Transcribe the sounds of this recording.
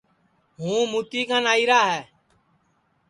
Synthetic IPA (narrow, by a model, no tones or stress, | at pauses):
ɦũːmuːt̪iːkãːnaːiːɾaːɦɛː